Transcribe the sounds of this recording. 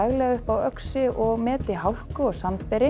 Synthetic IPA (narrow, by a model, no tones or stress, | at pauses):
ɣlɛɣʏhpawœksɪʔɔɣmɛːt̪ɪɦawl̥kʏɔɣsant̪pɛɾɪ